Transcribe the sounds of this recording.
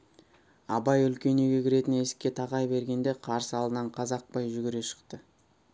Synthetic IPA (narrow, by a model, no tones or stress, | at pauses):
ɑbɑjʏlkʲe̞neɡʲe̞kʲʰɪɾe̞t̪ɪne̞sɪ̥kʲːe̞t̪ʰɑʁɑjbe̞ɾɡʲe̞nd̪e̞qʰɑɾsəɑlˠd̪ənɑɴqʰɑzɑq̚pɑjʒʏɡʲɪɾe̞ʃə̥qt̪ə